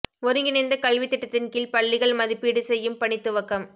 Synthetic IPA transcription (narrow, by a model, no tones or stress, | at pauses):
ɔɾɯŋɡɪnɐɪnd̪ɐkɐlʋɪt̪ːɪʈːɐt̪ːɪnkɪlpɐɭːɪɣɐɭmɐðɪpːiːɽɯsɛjːɯmpɐɳɪt̪ːɯʋɐkːɐm